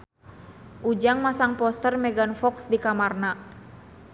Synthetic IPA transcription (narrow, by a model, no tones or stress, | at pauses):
ʔud͡ʒaŋmasaŋpɔst̪ərmɛɡanfɔksdikamarna